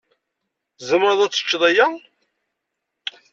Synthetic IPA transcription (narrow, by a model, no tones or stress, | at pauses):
zəməɾəðˤæt͡sːə̥t͡ʃːðˤæjæ